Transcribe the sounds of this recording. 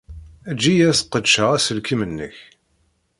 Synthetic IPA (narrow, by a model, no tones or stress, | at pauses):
æd͡ʒːijæθqːəd̪ʃəʁæsəlkimənːə̰ç